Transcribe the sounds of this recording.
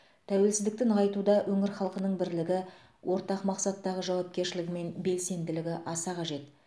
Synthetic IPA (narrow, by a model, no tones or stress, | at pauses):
t̪ʰæwe̞lsɪzd̪ɪk̚t̪ɪɴqɑjt̪ud̪ɑwʔɵŋɪɾχɑlˠqənəɴbɪɾlɪɡʲɪ | wʔo̞ɾt̪ɑqmɑqsɑt̪ːɑʁəʒɑwɑp̚kʲe̞ɾʃɪlɪɡʲɪme̞nbe̞lse̞nd̪ɪlɪɡʲɪʔɑsɑqɑʒe̞t̪